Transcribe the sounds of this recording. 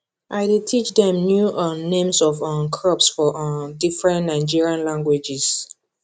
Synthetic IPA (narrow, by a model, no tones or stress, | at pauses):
ʔaɪditʰit͡ʃdɛ̃mnjuʔɔ̃nẽmsɔvɔ̃nkʰɹɔpsfɔʔdifɹɛ̃nnaɪd͡ʒiɹiãnlãŋɡwed͡ʒɛs